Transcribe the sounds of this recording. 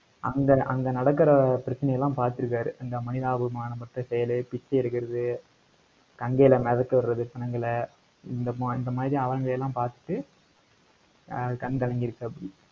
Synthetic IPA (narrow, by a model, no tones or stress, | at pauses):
ʔɐŋɡɐʔɐŋɡɐnɐɽɐk̬ːɪɾɐpɪɾɐt͡ʃːɐnɐjɐlːãːpaːɾt̪ːɯɾɯk̬ːaːɾɯʔɐnɡ̪ɐmɐnɪðaːbɯmaːnɐmɐʈrɐ̃sɛjɐlɯpɪt͡ʃːɐɪɾɯkːɪɾɐðɯ | kɐŋɡeːlɐmɛðɐkːɐʋɐɾɾɐðɯt͡ʃɐnɐŋɡɐɭ | ɪnd̪ɐpːɪnd̪ɐmaːðɾijɐʋɐɐŋɡɐɭjɛlːãːpaːɾt̪ɯ̥ʈːɯ | kɐnkɐlɐŋɡɪɾɯkːɯɐpːɐɽɪ